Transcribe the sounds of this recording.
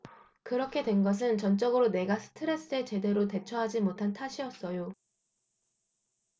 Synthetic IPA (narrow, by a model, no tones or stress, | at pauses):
kɯɾʌkʰedwe̞nɡʌs̬ʰɯnt͡ɕʌnt͡ɕ͈ʌɡɯɾone̞ɡasʰɯ̥tʰɯɾe̞s͈ɯe̞t͡ɕe̞de̞ɾote̞t͡ɕʰʌɦad͡ʑimotʰantʰaɕʰiʌs͈ʌjo